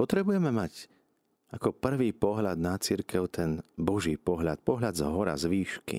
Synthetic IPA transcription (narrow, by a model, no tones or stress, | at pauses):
pɔt̪ɾɛbujɛmɛmac | akɔpr̩ʋiːpɔɦlad̪nat͡siɾkɛʊt̪ɛnbɔʒiːpɔɦlat̪̚pɔɦʎad̪zɦɔɾa̰zʋiːʃkḭ